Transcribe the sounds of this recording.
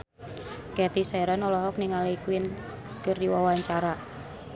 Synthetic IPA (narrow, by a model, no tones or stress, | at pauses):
kɛt̪isɛɾanɔlɔɦɔkniŋalikwɪn | kəriwawaɲt͡ʃaɾa